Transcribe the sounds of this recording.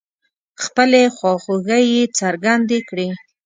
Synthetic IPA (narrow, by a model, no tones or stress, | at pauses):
xpəlexwɑxoɣajet͡saɾɡand̪ekɽe